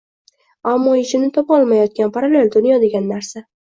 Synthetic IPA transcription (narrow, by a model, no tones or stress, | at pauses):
amːɒɪʃɪnɪt̪ʰɒpɒlˠmajɒt̪̚kʲanpʰaɾale̞ld̪ʊnjɒd̪e̞ɡʲanːaɾsa